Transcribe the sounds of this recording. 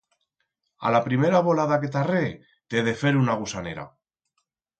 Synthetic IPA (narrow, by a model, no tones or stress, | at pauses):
a̰lapɾimeɾaβo̞laðake̞t̪are | t̪eðe̞fe̞ɾunaɣ̞usane̞ɾa̰